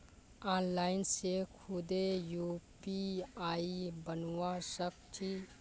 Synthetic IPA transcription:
aːnlaːɪnsekʰud̪ejupiaibənwasək̚t͡ʃʰi

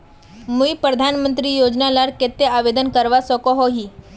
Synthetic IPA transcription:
muipɾəd̪ʱanmənt̪ɾijod͡ʒnalaɾket̪ːeaʋed̪ənkəɾʋasɔkoɦoɦi

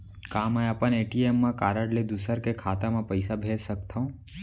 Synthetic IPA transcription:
kaːməjəpəneːʈiemːãkaːɾəɽled̪ʊsəɾkekʰaːt̪amãpəɪsabʱeːd͡ʒsəkt̪ʰaũ

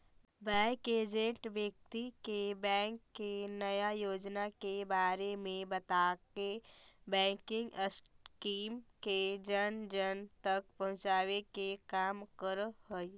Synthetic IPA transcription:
bɛːkeːd͡ʒẽɳʈʋjək̚t̪ikebɛ̃ːŋkːenɐjajoːd͡ʒnakebaːɾemẽbɐt̪aːkebɛ̃ːŋkɪ̃ŋɡəskiːmked͡ʒənd͡ʒənt̪ɐk̚pɐ̃ɦʊ̃t͡ʃaːʋekekaːmkəɾɦoi

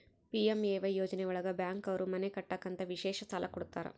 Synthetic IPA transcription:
piːemeːʋɐjːoːd͡ʒɐnɛuɭɐɡɐbjaːŋkɐʋɐɾumɐnekɐʈːaːkːɐnt̪ɐʋiʃɛːʃɐsaːlʔɐkɔɽut̪ːaːɾɐ̰

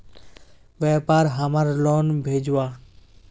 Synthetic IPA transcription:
ʋɛːpaːɾɦəmaɾloːnbʱeːd͡ʒwa

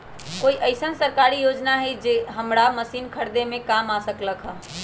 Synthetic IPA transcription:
koiʔəɪsənsəɾkaɾijod͡ʒnaɦed͡ʒeɦəmɾaməsiːnkʰəɾd̪emẽkamasəkləkɦ

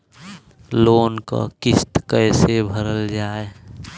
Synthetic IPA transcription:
loːnka̰kist̪kəɪsebʱəɾəld͡ʒaːe

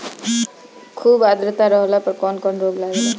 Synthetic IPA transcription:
kʰuːbad̪ɾət̪aɾɔɦlapɔɾkɔnkɔnɾoɡlaɡela

